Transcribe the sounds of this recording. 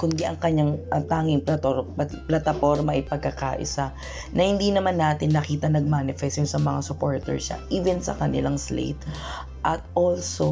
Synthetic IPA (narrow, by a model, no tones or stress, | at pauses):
kʊnd̪iʔɐŋkɐɲːaŋʔɐt̪aːŋɪŋplɐt̪oplɐt̪ɐfo̞ɾmɐʔɪjpɐɡ̚kːɐka̰ːʔɪ̰sa | nɐhɪnd̪inɐmanːaːt̪ɪnːɐkiːt̪ɐnɐɡ̚maːnɪfɛst̪jʊŋsɐmɐŋasʊpoɹt̪ɛ̰ɹʃa̰ʔiːvɛnsɐ̰kɐnɪlaŋslḛt̪ | ʔɐt̪̚ʔolso